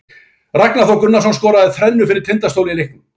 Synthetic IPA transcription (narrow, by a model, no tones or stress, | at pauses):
raknaθawkʏnːasɔnskɔːɾaɛðθɾɛnːʏfɪɾɪɾ̥t̪ʰɪnt̪ast̪owliilehknʏmm